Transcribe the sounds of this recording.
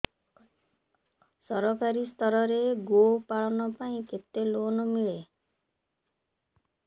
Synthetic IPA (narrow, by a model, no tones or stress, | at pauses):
sɔɾɔkʰaɾist̪ʰɔɾɔɾeɡopaɭɔnɔpaĩket̪elonɔmiɭe